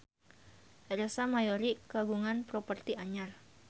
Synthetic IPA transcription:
ɾesamajoɾikaɡuŋanpɾɔpərt̪iaɲar

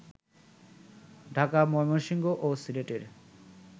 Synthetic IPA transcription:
ɖʱakamɔjmoɾʃiŋɡoʔosileʈeɾ

